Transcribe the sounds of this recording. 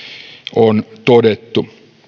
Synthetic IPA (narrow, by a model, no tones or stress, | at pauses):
ont̪odet̪ːu